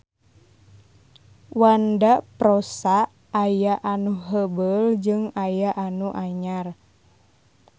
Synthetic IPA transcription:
wandapɾosaː | jaʔanuɦəbəld͡ʒɨŋajaʔanuʔaɲar

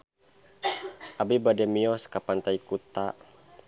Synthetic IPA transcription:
ʔabibadɛmiɔskapant̪aikut̪a

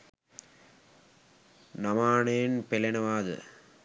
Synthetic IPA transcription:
nɐmaːɳeːnpelɐnɐʋaːðɨ̰

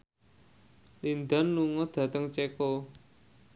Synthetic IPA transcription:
lind̪anluŋɔd̪̥ä̤t̪əŋt͡ʃeko

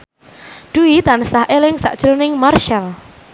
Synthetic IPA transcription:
ɖ̥uit̪ansahʔelɪŋsa̰ʔd̥ʒ̥ɾonɪŋmarʃal

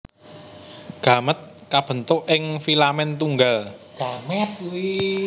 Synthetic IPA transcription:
ɡ̥a̤mət̪̚kab̥ə̤nt̪ʊʔʔɪŋfilamɛnt̪uŋɡalɡ̥amɛt̪̚i

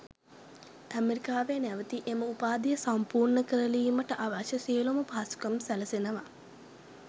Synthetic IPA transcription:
æmeɾikaːʋeənæʋət̪iʔeməupaːd̪ijəsampuːrɳəkəɾəliːməʈəʔaʋaʃəsiəluməpaːsu̥kɐmsæləsenəʋa

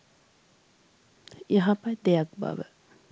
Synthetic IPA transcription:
eɦapɐjd̪ejak̚ba̰ʋə̰

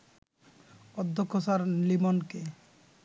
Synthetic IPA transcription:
ɔd̪ʱːokʰːosaɾlimonke

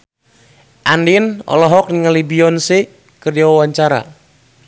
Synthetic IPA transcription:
ʔandinɔ̰lɔɦɔk̚niŋalibiɔnse | kərd͡ʒawawaɲt͡ʃaɾa̰

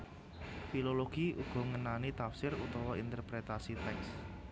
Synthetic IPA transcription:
filoloɡ̥iʔuɡ̥ɔ̤ŋənanit̪afsɪɾut̪ɔwɔint̪ərpɾet̪asit̪ɛks

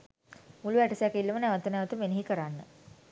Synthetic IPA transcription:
muluʋæʈəsjakilːumənæʋət̪ənæʋət̪əmeneɦikəɾanːə

